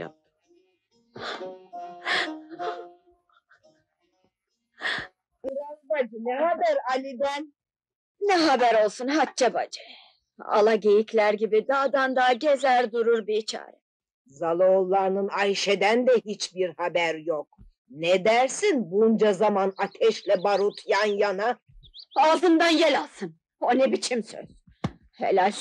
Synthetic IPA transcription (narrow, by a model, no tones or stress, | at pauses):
ɾabad͡ʒnɛhabæɾalʲid̪æn | nɛɦabæɾo̞lˠsunɦat̚t͡ʃʰaba̰d͡ʒɯ | a̰lˠaɟe̞jiclʲæɾɟibid̪aːd̪and̪aːɟezæɾd̪uɾuɾbiit͡ʃʰa̰ːɾɛ̰ | zalˠoːlˠːaɾnɯnajʃed̪ænd̪ɛhit͡ʃbiɾhabæɾjok̚ | nɛd̪æɾsinbund͡ʒazamanat̪ʰɛʃlʲɛbaɾut̪ʰjanjana | azɯnd̪anjelʲalˠsɯn | onɛbit͡ʃʰimsø̰z̥ | hḛlʲalʲ